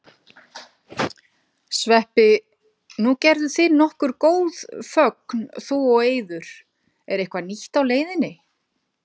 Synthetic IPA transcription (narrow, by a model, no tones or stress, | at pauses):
svɛhpɪ | nucɛɾðʏθɪnɔhkʏɾ̥koːwð̥fœknθuɔɣeːjðʏɾ̥ | ɛɾejhkvaniht̪awleːjðɪnɪ